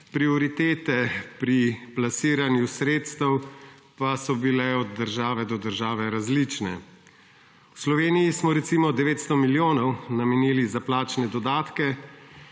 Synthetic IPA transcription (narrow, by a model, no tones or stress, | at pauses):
pɾiɔɾit̪eːt̪ɛpɾiplasiːɾanjusɾeːt̪st̪ɛw | pasɔbilɛɔd̪d̪ːəɾʒaːʋɛd̪ɔd̪əɾʒaːʋɛɾazlit͡ʃnɛ̰ | wslɔʋeːnijismɔɾɛt̪simɔd̪ɛʋeːt̪st̪ɔmiljoːnɔwnamɛniːlizaplaːt͡ʃnɛd̪ɔd̪aːt̪kɛ